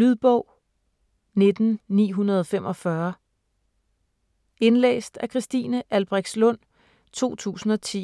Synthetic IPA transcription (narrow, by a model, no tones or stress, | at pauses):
yðˠb̥ɔʊ̰ | ne̝d̥n̩ːḭːɦunɐð̞̩ˠɒ̽fem̰ʔɒ̽fɶɐ | e̝nlḛːsd̥ækʰʁisd̥iːnəʔælb̥ʁɛɡ̥d̥slɔ̽n̰ | t͡sʰo̝̰ːt͡sʰṵːsn̩ɒ̽t͡sʰḭ